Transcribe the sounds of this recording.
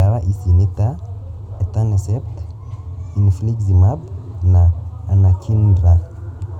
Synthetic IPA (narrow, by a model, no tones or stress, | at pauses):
awaʔisinit̪aɛt̪anɛsɛpt̪ | inifliɡzimabnaːnakʰindɾa